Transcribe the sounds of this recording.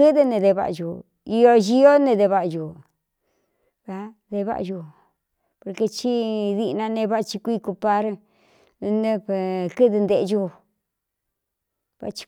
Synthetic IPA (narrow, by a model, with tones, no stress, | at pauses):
ɨ˦ðɨ˧nẽ˧ðe˧βa̰˧ʔju˨ | i˧o˧ʒi˧o˦nẽ˧ðe˧βa˧ʔju˨ | βa˧ | ðe˧βa̰˦ʔʒu˧ | po˧ɾke˧t͡ʃi˦ði˧nã˧nẽ˧βa˦ʔt͡ʃi˧kʷi˦˧ku˧pa˦ɾ | nẽ˦˧pe˧kɨ˦ðɨ˧nd̪e˧˨˧ʒu˦˧ | βa̰˧ʔt͡ʃi̥˧